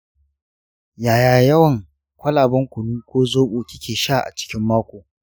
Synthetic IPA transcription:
jaː˨jaː˨jɐ˦wɐ˨ŋ | kʷʰɐ˦laː˨bɐ˦ŋkʷʊ˨nuː˦kʷoː˦zoː˦ɓoː˨kʲɪ˦kʲeː˨ʃaː˦˨ʔa̰˨t͡ʃɪ̥˦kʲɪ˦mːaː˦kʷoː˨

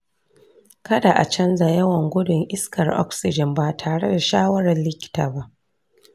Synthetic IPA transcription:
kɐ˦da˨ʔa̰˨t͡ʃɐ˦nza˨jɐ˦wɐ˨ŋɡʷʊ˦dʊ˨ŋʔɪ˦skɐ˨rʔɔ̰˦ksɪ˨d͡ʒɪ˨mbaː˨tʰaː˨ɽe˦da˨ʃaː˦wɐ˦ɾɐ˨lɪ˦kʲɪ̥˦ta̰ː˨ba˦ʔ

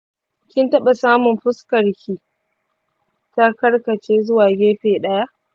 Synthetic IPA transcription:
kʲɪ˦ntɐ˦ɓa˨saː˦mʊ˨mɸʊ˦skɐ˨rkʲʰi˨ | ta˦kɐ˦rkɐ˨t͡ʃeː˦zʊ˦waː˨ɡʲeː˦ɸeː˨ɗɐ˦ja˦ʔ

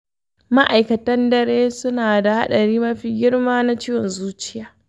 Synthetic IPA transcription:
ma˦ʔa˨jkɐ˨tɐ˦ndɐ˦ɽeː˦sʊ˦naː˨da˨ha̰˦ɗɐ˨ɾiː˦mɐ˦ɸi˦ɡʲɪ˦ɽmaː˦na˦t͡ʃiː˦jɔ˨nzuː˦t͡ʃɪ̥˦jaː˨˦

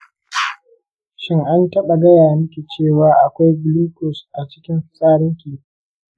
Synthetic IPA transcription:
ʃɪ˦ŋʔa˦ntɐ˦ɓa˨ɡɐ˦jaː˨mʊ˦kʲi˨t͡ʃeː˦˨waː˨ʔa˨kʷa˦jbluː˦kʊ˨sʔa˨t͡ʃɪ̥˦kʲɪ˦mɸɪ˨sʼaː˦ɽɪ˦ŋkʲiː˨˦

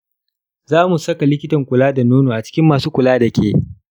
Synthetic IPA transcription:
zaː˦mu˨sɐ˦ka˨lɪ˦kʲɪ˦tɐ˨ŋkʷʊ˨laː˦da˨noː˦noː˨ʔa˨t͡ʃɪ̥˦kʲɪ˦mːaː˨suː˦kʷʊ˨laː˦dɐ˨kʲeː˦

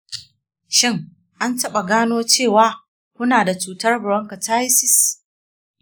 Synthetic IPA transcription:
ʃɪ˦ŋ | ʔa˦ntɐ˦ɓa˨ɡaː˦noː˦t͡ʃeː˦˨waː˨˦ | kʷʊ˦naː˨da˨t͡ʃuː˨tɐ˦rbʊ˨ɽɔ˦ŋka˨taː˦jsɪ˨s

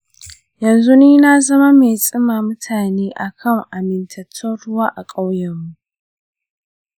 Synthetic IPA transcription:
jɐ˨nzu˦niː˦na˦zɐ˦ma˦me˨jsʼɪ˦maː˨mʊ˦tʰaː˨neː˦ʔa˨kʰɐ˦˨ŋʔa˨mɪ˨ntʰɐ˨tʰːɔ˦ɽʊ˦waː˦ʔa˨kʼa˦wjɐ˨mːu˦ʔ

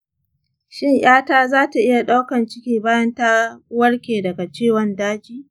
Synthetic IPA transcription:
ʃɪ˦ɲj̰aː˦taː˦zaː˦ta˨ʔɪ˦ja˨ɗa˦wkɐ˨nt͡ʃɪ˦kʲiː˦baː˦jɐ˦nta˦wɐ˦ɽkʲeː˨dɐ˨ɡa˨t͡ʃeː˦˨wɔ˨ndaː˦d͡ʒiː˦

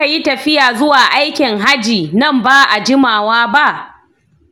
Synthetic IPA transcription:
a˨ji˦tɐ˨ɸɪ˦jaː˨zʊ˦waː˨ʔa˦jkʲɪ˨ŋɦa˦d͡ʒiː˨nɐ˦˨mbaː˦ʔa˨d͡ʒɪ˦maː˨waː˦ba˦ʔ

